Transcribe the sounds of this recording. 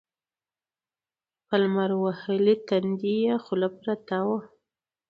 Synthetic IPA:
palmaɾwahəlit̪anɡijaxʊlapɾat̪awa

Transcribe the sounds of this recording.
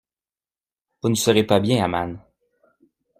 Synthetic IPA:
vunəsəʁepabjɛ̃ama̰n

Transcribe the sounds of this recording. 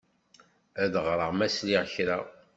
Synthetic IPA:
æðʁɾˤəʁmæsliʁçɾa

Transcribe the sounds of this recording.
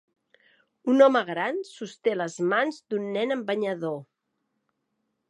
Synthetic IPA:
unɔməɣɾansust̪eləzmanzd̪unːɛnəmbəɲəðo

